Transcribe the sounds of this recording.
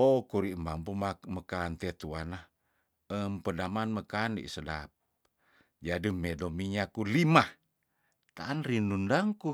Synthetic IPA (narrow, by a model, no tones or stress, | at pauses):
okuɾiʔmbampumaməkant̪et̪uana | əmpədamanməkanḭsədap̚ | d͡ʒadəmedomiɲakulimah | t̪aːnrinundaŋku